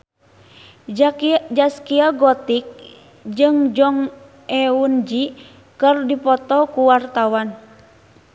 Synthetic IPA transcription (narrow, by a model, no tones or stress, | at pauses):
d͡ʒaskiaɡɔt̪ik̚ | d͡ʒɨŋd͡ʒɔŋ | ɛund͡ʒi | kɨrdipɔt̪ɔkuwart̪awan